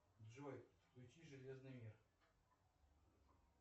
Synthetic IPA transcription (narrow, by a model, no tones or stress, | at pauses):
d̪ʐojfklʲʊt͡ɕiʐɨlʲeznɨjmʲir